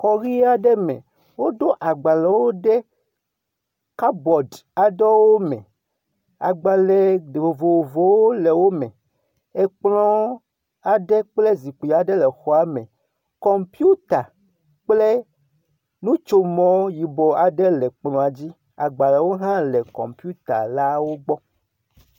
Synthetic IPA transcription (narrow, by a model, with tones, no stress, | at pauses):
kɔ˨ɣi˦a˨ɖɛ˦mɛ̰̃˨ | wo˦d̪o˦ʔa˨ɡ͡ba˨lɛ˨wo˦ɖɛ˦ | ka˦bɔ˨da˨dɔ˦wo˦mɛ̰̃˨ | a̰˨ɡ͡ba˨lɛ˨vo˨vo˨vo˨wo˦lɛ˨wo˦mɛ̰̃˨ | e˨k͡plɔ̃˦ | a˨ɖɛ˦k͡ple˦zi˨k͡pu˨ja˨ɖe˦lɛ˨xɔ˨a˦mɛ̃˨ | kɔ˦mpi˦u˦t̪a˨ | k͡ple˦ | nũ˦t͡ʃo˦mɔ̃˨˦ji˨bɔ˨a˨ɖɛ˦lɛ˨k͡plɔ̃˨a˨d͡ʑi˦ | a̰˨ɡ͡ba˨lɛ˨wo˦ɦã˦lɛ˨kɔ̰˨mpi˦u˦t̪a̰˨la˦wo˦ɡ͡bɔ˦